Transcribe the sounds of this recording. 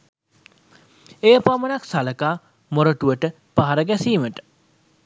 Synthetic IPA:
ejəpamənaksaləkaː | moɾəʈuʋəʈə | paɦaɾəɡæsiːməʈə̥

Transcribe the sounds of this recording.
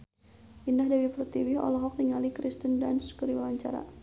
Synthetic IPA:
ʔindahdawipərt̪iwihɔ̰lɔɦɔk̚niŋalikɾist̪əndanskəɾiwawaɲt͡ʃa̰ɾa̰

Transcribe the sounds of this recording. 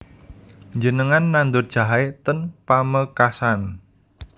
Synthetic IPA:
ɲd͡ʒənəŋanːand̪ʊrd̥ʒ̥a̤ɦaɪt̪ənpaməkasan

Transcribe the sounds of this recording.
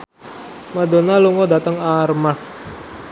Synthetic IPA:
madonaluŋɔdat̪əŋarmak

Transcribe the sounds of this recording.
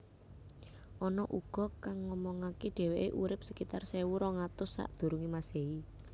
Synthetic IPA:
ʔɔnɔʔuɡ̥ɔ̤kaŋːɔmɔŋakeɖ̥e̤weʔeʔuɾɪp̚səkit̪arsɛwuɾɔŋat̪ʊsːa̰ʔd̪̥ṳɾuŋimasei

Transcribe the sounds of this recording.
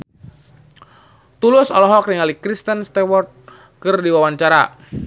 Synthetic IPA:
t̪ulʊsɔlɔɦɔk̚niŋalikɾist̪ənst̪ɛwɔrt̪̚ | kɨrdiwawaɲt͡ʃaɾa̰

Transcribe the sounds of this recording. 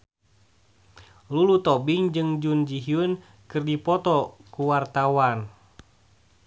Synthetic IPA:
lulut̪ɔbiŋd͡ʒɨŋd͡ʒund͡ʒiɦiun | kɨrdipɔt̪ɔkuwart̪awan

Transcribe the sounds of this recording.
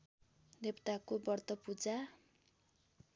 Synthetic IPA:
d̪ebt̪akobʌrt̪ʌpud͡za

